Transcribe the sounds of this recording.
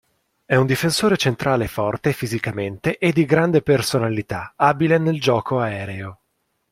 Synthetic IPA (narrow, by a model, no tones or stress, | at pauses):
ɛund̪ifensoːɾet͡ʃent̪ɾʔaːlefɔrt̪efizikament̪eʔed̪ːiɡɾand̪epersonalit̪aabileneld͡ʒɔːkoaɛːɾeo